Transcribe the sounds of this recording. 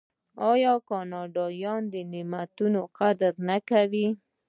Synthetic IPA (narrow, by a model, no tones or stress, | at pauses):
ɑjɑkɑnɑɖɑjɑnd̪ənɪmat̪unoqad̪ɾnakawi